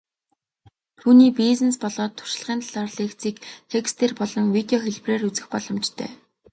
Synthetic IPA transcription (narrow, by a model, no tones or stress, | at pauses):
t̪ʰuːniːpizĕnspɔɮɔːt̪ʰːʊ̥ʃɪ̆ɮʁiːnt̪ɮarɮeːkt͡siːkt̪ʰekst̪ʰeːrpɔɮɞ̆ŋwit̪eɔxeɮpreːrut͡sɘ̆xpɔɮɞ̆mt͡ɕt̪ʰœ̰ː